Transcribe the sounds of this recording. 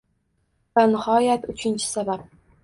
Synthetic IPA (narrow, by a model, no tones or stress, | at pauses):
banɪhɒjat̪ʊt͡ʃʰɪnt͡ʃʰɪ̥sabap̚